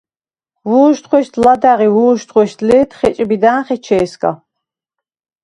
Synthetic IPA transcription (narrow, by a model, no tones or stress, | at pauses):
wuːʃt̪χʷɛʃt̪ʰlad̪aʁiwuːʃt̪χʷɛʃt̪ʰlit̪ʰχɛt͡ʃʼbid̪aːnχɛt͡ʃʰɛːskʼa̰